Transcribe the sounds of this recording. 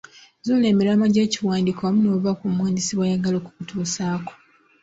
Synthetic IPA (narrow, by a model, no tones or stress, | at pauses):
zule̞ːmiɾamaɟeːciwaːndiːkoβamuno̞ːβakumwaːndisiβwajaɡalo̞ːku̥kutʰuːsaːko̥